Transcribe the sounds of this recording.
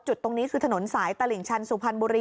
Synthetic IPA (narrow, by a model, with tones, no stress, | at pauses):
t͡ɕu˨˩t̪ːo˧ŋniː˦˥kʰɯː˧t̪ʰa˧no˩˦nsaː˩˦jt̪a˧li˨˩ŋt͡ɕʰa˧nsu˨˩pʰa˧nbuː˧ɾiː˧